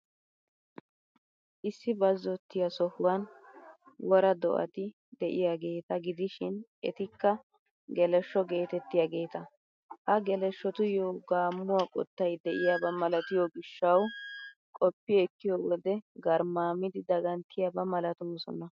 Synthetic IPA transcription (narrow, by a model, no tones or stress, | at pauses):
ʔɪsːɪbɐzːɔt̪ːɪjɐsɔhʊwɐn | wɔɾɐd̪ɔ̰ʔɐ̰t̪ɪ | d̪ɛʔɪjaːɡe̞ːt̪ɐɡɪd̪ɪʃɪnʔɛt̪ɪkːɐ | ɡɛlɛʃːɔɡe̞ːt̪ɛt̪ːɪjaːɡe̞ːt̪ɐ | ʔɐɡɛlɛʃːɔt̪ʊjoːɡaːmːʊwaːkʼɔ̰t̪ːɐjd̪ɛʔɪjaːbɐmɐlɐt̪ɪjɔɡɪʃːɐw | kʼɔpːɪɛkːɪjɔwɔd̪ɛɡɐɾmaːmɪd̪ɪd̪ɐɡɐnt̪ʰːɪjabɐmɐlɐt̪oːsɔ̰nɐ